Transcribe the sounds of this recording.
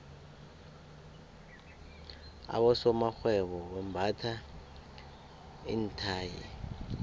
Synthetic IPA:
a̰ɓɔsɔmaxwɛɓɔɓɛmbʱatʰa | intʰaːjḭ

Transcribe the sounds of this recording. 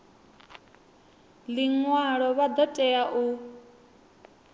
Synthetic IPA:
liŋwaɺɔβad̪ɔtʼɛaʔu

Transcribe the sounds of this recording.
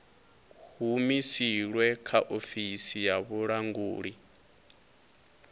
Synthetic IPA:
humisiɺwɛkʰaʔofisijaβuɺaŋɡuːɺi

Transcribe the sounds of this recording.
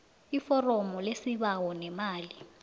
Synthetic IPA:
ifɔrɔmɔlesiβawɔnɛmaːli

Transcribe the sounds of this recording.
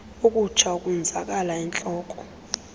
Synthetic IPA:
ukʼut͡ʃʰaukʼuɛnd͡zʱak̬ʼalaɛnt͡ɬʼɔːkʼɔ̥

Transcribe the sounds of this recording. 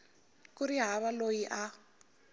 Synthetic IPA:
kuɾiɦaβalojiʔa

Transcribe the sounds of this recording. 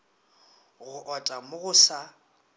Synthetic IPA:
ɣʊʔɔtʼamʊɣʊsa

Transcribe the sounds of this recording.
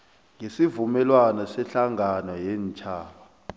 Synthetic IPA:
ŋesivumɛlwanɔsɛɬaŋanɔjɛːnt͡ʃʰʼaːɓa

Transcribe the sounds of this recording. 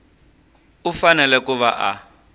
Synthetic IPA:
ufanɛlɛkuβaʔa̰

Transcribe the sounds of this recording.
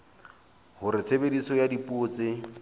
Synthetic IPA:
hʊɾɪt͡sʰebedisɔjadipʼʊːt͡sɪ

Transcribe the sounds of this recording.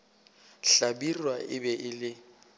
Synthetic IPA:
ɬabirwaʔɪbɛʔɪlɪ

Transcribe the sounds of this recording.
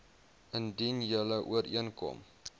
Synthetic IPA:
ʔəndinjələʔuəɾʔiənkɔ̰m

